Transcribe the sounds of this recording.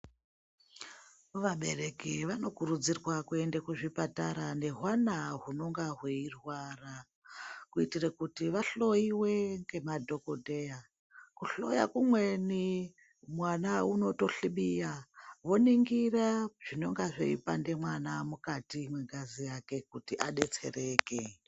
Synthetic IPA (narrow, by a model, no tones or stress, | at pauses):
ʋaɓe̞̰re̞kiʋano̞kurud͡zirwakue̞ndekuʐipataɾane̞ɦwanaɦuno̞ŋɡaɦweirwara | kuitirekutiʋaɬo̞iwe̞ŋɡe̞madʱo̞kodʱe̞ja | kuɬo̞̰ja̰kumwe̞ni | mwanauno̞to̞ɬiɓijaʋo̞niŋɡiraʐ̥ino̞ŋɡaʐo̰ḭpa̰nde̞mwanamukatimwe̞ɡazijake̞kutiʔaɗe̞t͡se̞̰re̞ːke